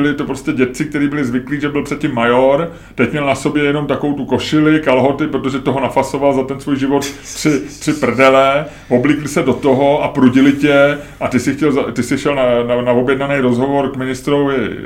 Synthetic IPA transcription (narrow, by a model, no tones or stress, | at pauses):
ɪlɪt̪opɾo̞scɛɟɛtt͡sɪk̚t̪ɛɾiːbɪlɪzvɪkliːʒɛbɪlpr̥ɛt̪̚cɪmːajoɾ | t̪ɛcmɲɛlnaso̞bjɛjɛno̞mt̪akovowt̪uko̞ʃɪlɪkalɦo̞t̪ɪpɾot̪oʒɛt̪oɦo̞nafasovalzat̪ɛnsvujʒɪvo̞t̪t̪r̥ɪt̪r̥ɪpr̩dɛlɛ | vo̞bliːklɪsɛdo̞t̪o̞ɦoapɾuɟɪlɪcɛʔat̪ɪsɪxcɛlzat̪ɪsɪʃɛlnananavo̞bjɛdnanɛjɾo̞zɦo̞vo̞ɾkmɪnɪst̪ɾovɪ̰